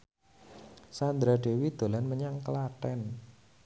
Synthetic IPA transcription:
sand̪ɾaɖe̤wid̪̥o̤lanməɲaŋkəlat̪ɛn

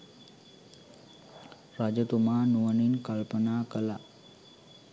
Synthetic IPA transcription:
ɾad͡ʑət̪um̤anuʋəniːnkəlpənakəla

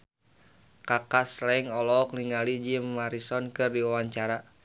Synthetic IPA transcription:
kakaslaiŋɔlɔkliŋalid͡ʒimːaɾisɔnkɨrdiwawaɲt͡ʃaɾa

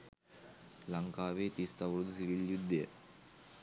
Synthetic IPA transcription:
laŋkaːʋeːt̪ist̪aʋɾud̪usiɾiljud̪ːejə

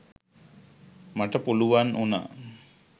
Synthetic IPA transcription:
maʈəpuluʋanʔuna̰ː

